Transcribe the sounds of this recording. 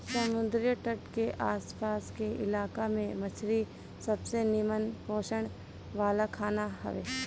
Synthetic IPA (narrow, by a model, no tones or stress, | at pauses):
səmʊd̪ɾjəʈəʈkeʔaːspaːskeʔɪ̰laːkamẽmət͡ʃʰɾi | səbsenimənpõːʃəɽ̃ | ʋaːlakʰaːnaɦə̰ʋḛː